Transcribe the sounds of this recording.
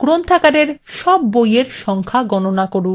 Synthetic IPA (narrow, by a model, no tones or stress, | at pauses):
kɾont̪ʰakaɖeɾʃɔbːojeɾʃɔŋkʰaɡɔnonakoɽu